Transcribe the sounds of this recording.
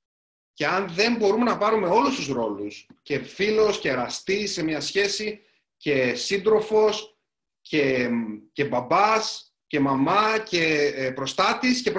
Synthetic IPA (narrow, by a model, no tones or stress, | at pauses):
ce̞ɐnðe̞mbo̞ɾume̞nɐpɐɾume̞o̞lust̪uzɾo̞lusce̞filo̞sce̞ɾɐst̪isemɲɐsçe̞si | ce̞sind̪ɾo̞fo̞s | ce̞ce̞bɐbɐs | ce̞mɐmɐce̞pɾo̞st̪ɐt̪iscep